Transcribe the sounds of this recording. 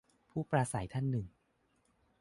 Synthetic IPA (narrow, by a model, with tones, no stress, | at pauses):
pʰuː˥˩pɾaː˧sa˩˦jt̪ʰa˥˩nːɯ˨˩ŋ